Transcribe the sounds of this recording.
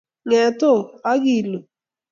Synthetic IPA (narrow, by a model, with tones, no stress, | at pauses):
ŋɛ˨to˦˨a˦ɣi˨lo˨